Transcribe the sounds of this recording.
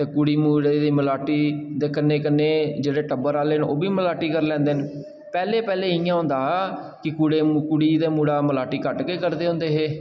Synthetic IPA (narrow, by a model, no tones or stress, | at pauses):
t̪eːkʊɽiːmuːɽeːd̪iːməlaːʈiːd̪eːkənːeːkənːeːd͡ʒeːɽeːʈəbəɾaːleːno̰ːbiːməlaːʈiːkəɾlɛ̃ːnd̪eːn | pɛːleːpɛːleːɪːãːɦʊ̃nd̪aː | kɪkuɽeːkʊɽiːd̪eːmuːɽaːməlaːʈiːkəʈkeːkəɾd̪eːõːnd̪eːɦeː